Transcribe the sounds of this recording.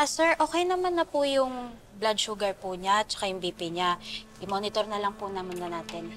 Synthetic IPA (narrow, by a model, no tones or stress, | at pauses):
ʔasɛɹʔo̞ːkɛjnɐmanːɐpʊjʊŋ | blad̪̚ʃuːɡɐɹpʊɲat͡ʃɐ̥kajʊŋbiːpɪɲaʔɪmo̞ːnɪt̪oɾnɐlɐŋpʊnɐmʊnɐnaːt̪ɪn